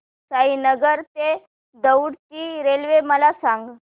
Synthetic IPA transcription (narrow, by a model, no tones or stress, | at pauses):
saɦinəɡəɾt̪e | d̪əwɽt͡ɕiːɾelʋeməlasãŋɡ